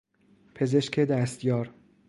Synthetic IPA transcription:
pʰe̞ze̞ʃcʰed̪æst̪jɒːɾ

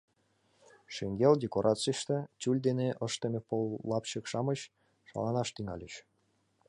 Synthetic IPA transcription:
ʃeŋɡʲeldʲekoɾʔɑt͡sijʃt̪et͡ɕʲulʲd̪eneʔɤʃt̪emʲepolˠːɑpɕɤ̆kʃɑməɕ | ʃɑ̰lˠɑnɑʃt̪yŋɑ̰lʲeɕ

